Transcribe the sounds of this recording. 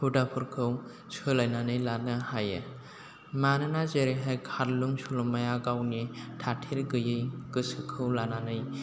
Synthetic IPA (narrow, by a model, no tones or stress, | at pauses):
pʰudapʰɯɾkʰɯw | sʰɯlajnanɯjlanɯhajɯ | manɯnazeɾeɦajkʰaɾluŋsulɔmajaɡawnitʰatʰiɾɡɯjɯjɡ̥ɯsɯkʰɯwlananɯj